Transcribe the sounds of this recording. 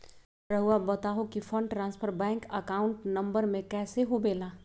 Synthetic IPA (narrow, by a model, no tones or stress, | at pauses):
pɾɐɦʊabɐt̪aːɦokifʰə̃ɳɖʈɾãːnspʰəɾbɛ̃ːŋkɐkaːʊ̃ɳʈnɐ̃mbəɾmẽkɛːseɦobeːlaː